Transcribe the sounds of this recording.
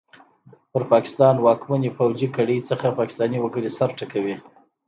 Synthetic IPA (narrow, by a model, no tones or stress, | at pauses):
pəɾpɑkɪ̥st̪ɑnwɑkmanipawd͡ʒikaɽəjt͡səxapɑkɪ̥st̪ɑniwəɡəɽisaɾʈakawi